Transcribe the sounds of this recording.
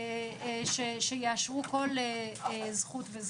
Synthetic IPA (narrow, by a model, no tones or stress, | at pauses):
ʃeʃejeaʃʁuko̞lezχutvez